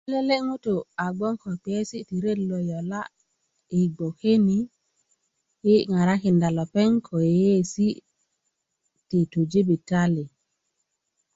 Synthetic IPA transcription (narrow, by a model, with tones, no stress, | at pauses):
i˦le˦le˦ŋu˦to˨a˨ɡ͡bo˦ŋko˨pi˨e˦si˦ti˨ɾe˦dlo˨jo˨la̰˦ | i˨ɡ͡bo˨ke˦ni˦ | hi˦ŋa˨ɾa˦ki˨nda˨lo˨pe˦ŋkʰo˨je˦si˦ | ti˨to˨d͡ʒe˦bi˨ta˦li˨